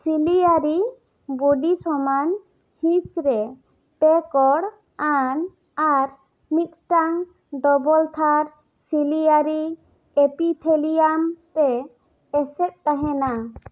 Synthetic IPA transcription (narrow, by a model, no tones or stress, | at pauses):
siliaɾi | buɖisɔman | hĩsɾɛ | pɛkɔɽ | an | aɾ | mit̪̚ʈaŋ | d̪ɔbɔlt̪ʰaɾ | silijaɾi | epit̪ʰelijamt̪ɛː | sɛt̪̚t̪aɦɛ̃na